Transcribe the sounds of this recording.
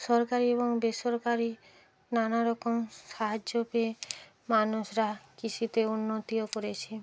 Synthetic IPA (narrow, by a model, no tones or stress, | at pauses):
sɔɾkaɾiebɔŋbesɔɾkaɾi | nanaɾɔkomsaɦad͡ʒope | manusɾakit͡ʃʰut̪eunːot̪iokoɾet͡ʃʰi